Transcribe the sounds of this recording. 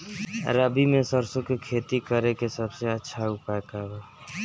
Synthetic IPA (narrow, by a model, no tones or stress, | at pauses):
ɾəbimẽsəɾsõkekʰet̪ikəɾekesəbseətːʃʰaupakaɦe